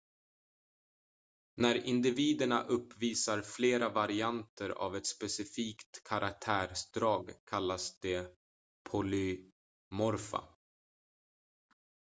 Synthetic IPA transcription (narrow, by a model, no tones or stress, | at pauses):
næɾɪnd̪ɪviːd̪əɳaʔɵpːviːsaɾfleːɾavaɾɪant̪ʰəɾa̰vɛt̪spɛsɪfiːkt̪kʰaɾʔak̚t̪ʰæːɾsd̪ɾɑːɡkʰalːasd̪̥ɛ | pʰɔlʏ | mɔɾfa̰